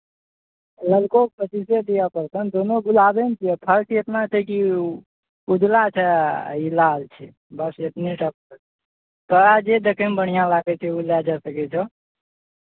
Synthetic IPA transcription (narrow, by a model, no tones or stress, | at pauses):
ləlkok̚pət͡ʃised̪ijapəɾsənd̪onoɡulabɛnt͡ʃʰiɛpʰəɾkiet̪nat͡ʃʰɛki | ud͡ʒʱlat͡ʃʰɛilalt͡ʃʰɛ | bəset̪niʈʰəp̚kəɾ | t̪ɔad͡ʒed̪ekʰɛmbəɽ̤̃ijãlaɡɛt͡ʃʰɛulad͡ʒasəkɛt͡ʃʰɔ